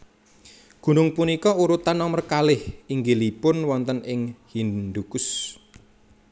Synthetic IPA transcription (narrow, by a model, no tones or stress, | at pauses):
ɡ̥ṳnʊŋpunikɔuɾut̪anːɔmərkalɪhiŋɡelipʊnwɔnt̪ənɪŋhind̪ukʊs